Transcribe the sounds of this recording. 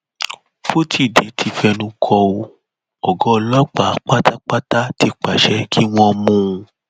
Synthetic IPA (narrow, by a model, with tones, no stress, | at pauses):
fo˦ti˦˨de˨˦tʰi˧fɛ˧nũ˧kʰɔ˧o˧ | ɔ˨ɡɔ˨˦˧lɔ˦k͡pa˨˦k͡pa˦ta˦k͡pa˦ta˦ti˧k͡pa˨ʃɛ˨˦kʰi˦w̃ɔ̃˧mũ˦˧